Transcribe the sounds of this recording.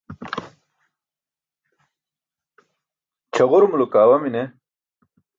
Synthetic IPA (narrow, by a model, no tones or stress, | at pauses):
t͡ɕʰɐʁuɾumulukaːwɐmine